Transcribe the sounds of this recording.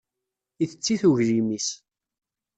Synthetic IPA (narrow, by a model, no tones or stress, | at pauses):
iθət͡sːiθuʝɾimis